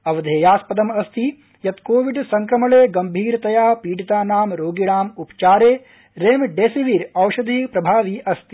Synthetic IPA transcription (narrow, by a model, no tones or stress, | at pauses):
ɐʋɐd̪ʱeːjaːspɐd̪ɐmɐst̪i | jɐt̪koːʋiɖsɐŋkɾɐmɐɭeːɡɐmbʱiːɾt̪ɐjaːpiːɽit̪aːnaːmɾoːɡiɽaːmupt͡ʃaːɾeː | ɾeːmɖeːsiʋiɾɐwʃɐd̪ʱiːpɾɐbʱaːʋiʔɐst̪i̥